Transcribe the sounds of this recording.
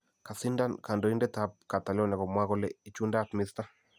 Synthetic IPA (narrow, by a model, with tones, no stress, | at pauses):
ka˨si˦nda˦nka˨ndɔ˨i˦ndɛ˦t̪a˦p̚ka˨t̪a˨lɔ˦nɛ˨kɔ˨mwa˦ɣɔ˦lɛ˦i˦t͡ʃu˦nda˦˨tmɪ˦st̪a˦